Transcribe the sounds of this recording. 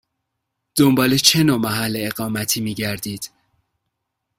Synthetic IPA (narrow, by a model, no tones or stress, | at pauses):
d̪̥o̞mbɒːlet͡ʃʰenomæɦælːeeɣɒːmæt̪ʰiːmiːɟæɾd̪iːd̪̥